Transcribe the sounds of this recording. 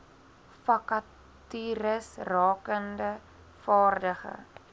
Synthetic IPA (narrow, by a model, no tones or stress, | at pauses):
fɐkɐ | tyɾəsrɑːkəndə | fɑːrdəχə̰